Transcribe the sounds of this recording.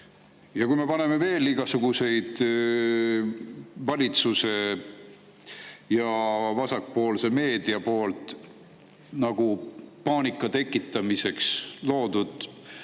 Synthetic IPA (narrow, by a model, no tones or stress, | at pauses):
jɑkujme̞pɑne̞me̞ve̞ːliɡ̥ɑsuɡ̥use̞jd̪̥ | vɑlʲit̪suse̞ | jɑvɑsɑk̚po̞ːlse̞me̞ːd̪̥iɑpo̞ːlt̪ˑ | nɑɡ̥upɑːnikːˑɑt̪e̞kːˑit̪ːˑɑmise̞kslo̞ːd̪̥ud̪̥